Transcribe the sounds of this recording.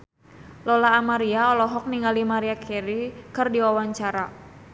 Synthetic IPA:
lɔlaːmaɾiaɔlɔɦɔk̚niŋɡalimaɾiakʰɛɾikɨrdiwawaɲt͡ʃaɾa

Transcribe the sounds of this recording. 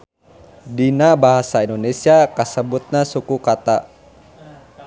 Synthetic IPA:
dinabaɦasaindonesiakəsəbut̪̚nasukukat̪a

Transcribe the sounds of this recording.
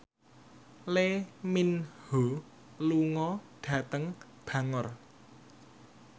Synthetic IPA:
leminho | luŋɔɖ̥ä̤t̪əŋ | b̥ä̤ŋər

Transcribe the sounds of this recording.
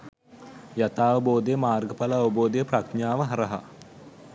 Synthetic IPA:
jat̪aːʋəboːd̪əjəmaːrɡəpalaːʋəboːd̪ejəprakɲaːʋəɦɐɾəɦa̰

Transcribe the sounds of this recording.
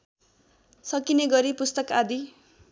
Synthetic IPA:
sʌkineɡʌɾipust̪ʌkad̪i

